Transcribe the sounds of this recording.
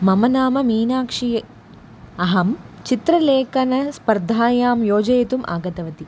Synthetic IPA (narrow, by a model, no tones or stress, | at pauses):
mɐmɐnaːmɐmiːnaːkʂi | ɐɦɐmt͡ʃit̪ɾɐleːkɐnɐspɐɾd̪ʱaːjaːmjoːd͡ʒɐjɐt̪umʔa̰ːɡɐt̪ɐʋɐt̪i